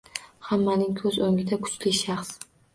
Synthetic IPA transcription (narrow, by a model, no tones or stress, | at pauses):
hamːanɪŋkʰɵzoŋʲɪd̪akʰʊ̥t͡ʃlɪʃaχs